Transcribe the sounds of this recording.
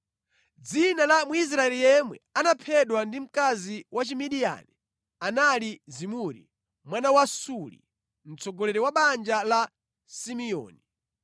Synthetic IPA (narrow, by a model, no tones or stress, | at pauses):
d͡zinalamuis̬ɾaɛlijɛmwɛ̰anapʰɛɗwandim̩kaziwat͡ʃimiɗia̰ni | analizimuɾḭ | mwanawasulḭ | m̩t͡sɔɡɔlɛɾɛwaɓand͡ʒala | simiɔ̰ːni